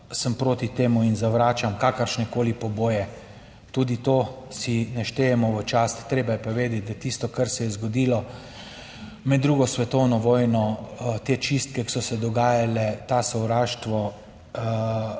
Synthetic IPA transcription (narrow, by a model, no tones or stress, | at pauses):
səmpɾoːt̪it̪eːmuinzaʋɾaːt͡ʃamkaːkəɾʃnɛkoːlipɔboːjɛ | t̪uːd̪it̪oːsinɛʃt̪eːjɛmɔʋət͡ʃaːst̪t̪ːɾeːbajɛpaʋeːd̪ɛt̪̚ʲd̪at̪ist̪ɔkaɾsɛjɛzɡɔd̪iːlɔ | mɛd̪ːɾuːɡɔsʋɛt̪ɔwnɔʋɔːjnɔt̪et͡ʃist̪̚kɛki̥sɔsɛd̪ɔɡaːjalɛt̪asɔwɾaːʃt̪ʋɔ